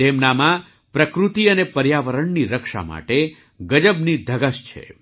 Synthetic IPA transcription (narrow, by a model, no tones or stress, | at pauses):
d̪emnamã | pɾəkɾut̪iənepəɾjaʋəɾəɳniɾəkʃa̰ma̰ʈe | ɡəd͡ʒəbnid̪ʱəɡəʃt͡ʃʰḛ